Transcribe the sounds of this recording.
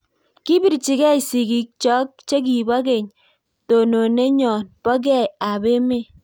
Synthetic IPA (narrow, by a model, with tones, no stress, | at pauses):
ki˦bi˦ɾt͡ʃɪ˨ɡɛ˦jsi˨ɡi˨k̚t͡ʃɔ˦k̚t͡ʃe˦k̬i˨ba˦ɡe˨ɲ | to˨no˨ne˦ɲɔ˨npɔ˦ɡ̬ɛ˦˨ja˨be˦me˦˨